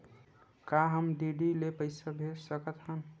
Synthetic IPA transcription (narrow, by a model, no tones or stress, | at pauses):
kaɦəmɖiɖilepəɪsabʱeɾsəkət̪ɦən